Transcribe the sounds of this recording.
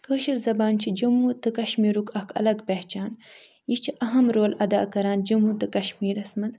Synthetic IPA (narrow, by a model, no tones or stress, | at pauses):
kəːʃiɾzɐbaːnt͡ʃʰid͡ʒɐmut̪ɨkɐʃmiːɾukʰɐkʰɐ̰lɐɡpeht͡ʃaːn | jit͡ʃʰiʔɐɦɐmɾoːlɐd̪a̰ːkɐɾaːnd͡ʒumɦut̪ɨkɐʃmiːɾɐsmɐnz